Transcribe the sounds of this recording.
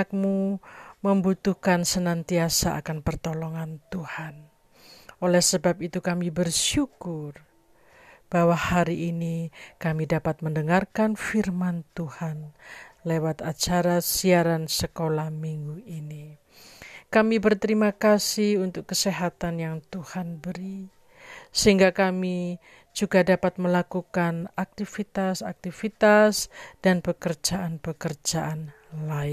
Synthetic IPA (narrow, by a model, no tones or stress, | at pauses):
ak̚muməmbut̪uhkansənant̪iasaa̰kanpərt̪olɔŋant̪uhan | olɛhsəbap̚it̪ukamibərʃukʊr | b̥awahaɾiʔːnikamidapat̪̚məndəŋarkanfirmant̪uhanlewat̪at͡ʃaɾasiaɾansəkolahmiŋɡuini | kamibərt̪əɾimakasihunt̪ʊkːəseɦat̪anjaŋt̪uhanbəɾi | səɦiŋɡakami | d͡ʒuɡadapat̪̚məlakukanak̚t̪ifit̪asak̚t̪ifit̪asd̥anpəkərd͡ʒaʔanpəkərd͡ʒaʔan | laɪn